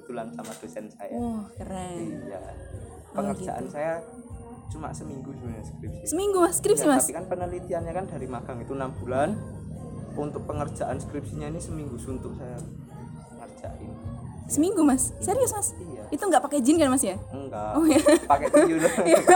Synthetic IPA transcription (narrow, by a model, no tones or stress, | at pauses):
bət̪ulansamad̥osɛnsa̰jawɔhkəɾɛija̰ | pəŋərdd͡ʒa̰ʔa̰nsaja | t͡ʃuma̰səmiŋɡud͡ʒujaskɾɪp̚si̥səmiŋɡumaskɾɪp̚simaasikanpənəlit̪ianɲakand̥aɾimaɡ̥aŋit̪unamb̥ulan | unt̪ʊk̚pəŋər̥d͡ʒ̥aʔanskɾip̚siɲainisəmiŋɡusunt̪ʊk̚saja | pəŋər̥d͡ʒ̥aʔaninisəmiŋɡumasseɾiʊsmasijait̪uŋɡaʔpaked͡ʒɪnkanmasjaəŋɡaɔhjapakɛja